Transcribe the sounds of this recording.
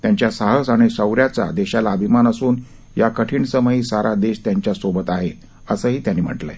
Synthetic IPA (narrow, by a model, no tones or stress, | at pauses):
t̪jaɲt͡ɕjasaɦəsaɽ̃isəwɾjat͡sa̰d̪eɕalaəbʱimanəsuːn | jakəʈʰiːɳsəməɦiːsaɾʔad̪eɕt̪jaɲt͡ɕjasobət̪aɦe | əsəːɦiːt̪janːiːm̤ə̰ʈlə̰